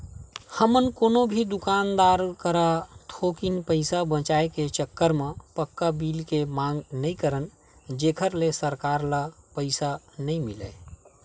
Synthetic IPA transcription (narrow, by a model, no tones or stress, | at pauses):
həmənkoːnobʱid̪ʊkaːnd̪aːɾkəɾat̪ʰoːkinpəɪsabə̃t͡ʃaːeket͡ʃəkːəɾmẽpəkːabiːlkemãːŋɡnəĩkəɾən | d͡ʒeːkʰəɾlesəɾkaːɾlapəɪsa | nəĩmɪlə̰